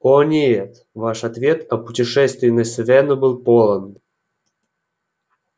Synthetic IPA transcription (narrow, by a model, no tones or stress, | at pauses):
onʲeet̪ | vaʂat̪vʲet̪ɐputʲɪʂɛst̪ʲvʲɪnːəsʲsvʲenɨbɨlˠpolˠən